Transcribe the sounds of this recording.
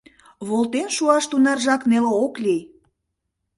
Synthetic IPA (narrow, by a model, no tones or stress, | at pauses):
βolt̪enʃuɑʃt̪unɑrʒɑkneleoklʲej